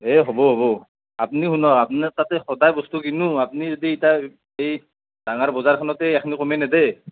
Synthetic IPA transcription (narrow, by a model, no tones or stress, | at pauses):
ɦɛɦɔbɔɦɔbɔ | ap̚niɦunɔkapnatatɛxɔdajbɔstukinuapnizɔdiːta | ej | d̥aŋaɹbɔzaɹkʰanɔtɛːkʰnikɔmɛnɛdɛ